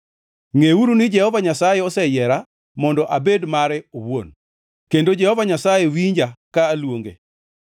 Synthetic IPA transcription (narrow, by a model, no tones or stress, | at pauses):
ŋeuɾunɪd͡ʒɛhɔvaɲasajɛɔsɛjɛɾa | mɔndɔʔabedmaɾɛowon | kendod͡ʒɛhɔvaɲasajewiɲd͡ʒakaːlwoŋɡḛ